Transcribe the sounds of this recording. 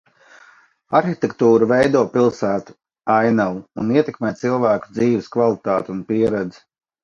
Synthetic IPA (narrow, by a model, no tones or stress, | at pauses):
aɾxit̪ɛkt̪uːɾuvejd̪uɔpilˠsæːt̪u̥ | ajnawuniɛt̪ɛkmɛːtt̪silˠvæːku̥d̪ziːʋɪskvalˠit̪aːt̪unpiɛɾɛd̪zi̥